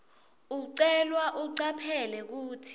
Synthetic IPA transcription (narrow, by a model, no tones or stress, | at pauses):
uǀɛlwaʔuǀapʰɛlɛk̬uːtʰi̥